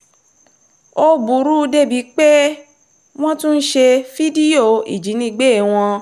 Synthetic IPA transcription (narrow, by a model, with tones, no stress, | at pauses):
o˦bu˨ɾu˦˧de˦bi˨˦k͡pe˦ | w̃ɔ̃˦tũ˦n̩˦ʃe˧fi˦di˦o˦˨ḭ˨d͡ʒi˨˦nĩ˧˦ɡ͡be˦˨w̃ɔ̃˧